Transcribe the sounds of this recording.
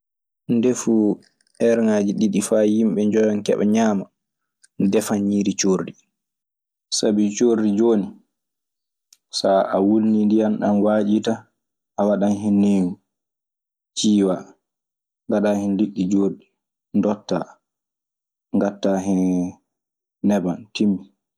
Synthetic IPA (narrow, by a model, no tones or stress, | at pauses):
ndefu | ʔɛɾŋad͡ʒiɗiɗifaːjimɓɛɲd͡ʒɔjankɛ̰ɓɛ̰ɲaːma | dɛfaniːɾit͡ʃoɾdi | sabit͡ʃoɾdid͡ʒoːni | saʔawulnindijanɗanwaːd͡ʒita | ʔawaɗanɦinːeːŋu | t͡ʃiːwa | ŋɡaɗahɛnliɗːid͡ʒoːɾɗi | ndɔtːa̰ | ŋɡatːaɦɛn | nɛbantimːi